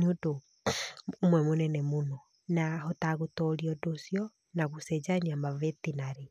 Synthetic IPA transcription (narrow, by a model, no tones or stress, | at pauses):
ɲodo | omwɛmonɛnɛmonɔ | nahotaɣotɔɾiɔdosjɔ | naɣusɛd͡ʒaɲiamavetinaɾe